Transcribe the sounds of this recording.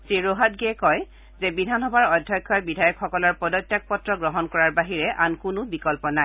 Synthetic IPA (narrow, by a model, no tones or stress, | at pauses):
seɹoɦatɡɛkɔj | zɛbidʱanɔbʱaɹɔdʱːɔjkʰːɔjbidʱajɔkxɔkɔlɔɹpɔdɔtːjak̚pɔtɹɔɡɹɔɦɔnkɔɹaɹbaɦiɹɛʔankʊnʊbikɔlpɔnaj